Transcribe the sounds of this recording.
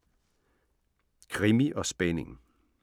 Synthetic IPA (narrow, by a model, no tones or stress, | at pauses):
kʰʁimiʔɒ̽sb̥ɛneŋ